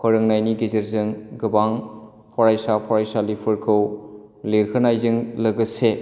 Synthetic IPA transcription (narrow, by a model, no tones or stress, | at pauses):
kʰɔɾɯŋnajniɡizɯɾzɯŋɡɯbaŋ | pʰɔɾajsapʰɔɾajsalipʰɯɾkʰɯwliɾkʰɯnajzɯŋlɐɡɯse